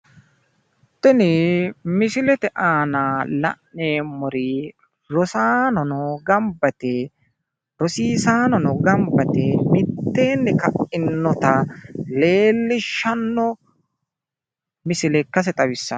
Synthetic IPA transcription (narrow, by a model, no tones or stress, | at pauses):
t̪ːɛnɪmɪsɪlɛt̪ɛʔaːnalɐ̰ʔneːmɔɾɪ | ɾɔsaːnɔnɔɡɐmbɐt̪ɛ | ɾɔsiːsaːnɔnɔɡɐmbɐt̪ɛmɪt̪ːeːnːɛkɐʔɪnːɔt̪ɐleːlːɪʃːɐnːɔ | mɪsɪlɛkːɐs̬ɛt̪ʼɐwɪsːɐ